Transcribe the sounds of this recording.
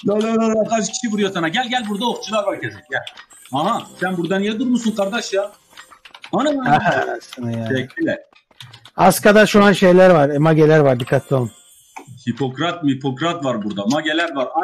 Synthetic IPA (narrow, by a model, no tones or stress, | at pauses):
jolololokad͡ʒɯcʰi̥ʃivuɾujosanaɟælʲɟælʲbuɾd̪aoxt͡ʃʰulˠaɾvaɾcʰesɛjɛaɦasænbuɾd̪anjɛd̪uɾmusunkʰaɾd̪aʃja | manamaaɦa̰sɯnajaːɛcʰːilʲɛ | askad̪aʃuanʃe̞jlʲæɾvaɾɛmaɟelʲæɾvaɾb̪ikʰːat̪ʰːolˠum | hipʰo̞kɾat̪̚mipʰokɾat̪vaɾbuɾd̪amaɟelʲæɾvaɾa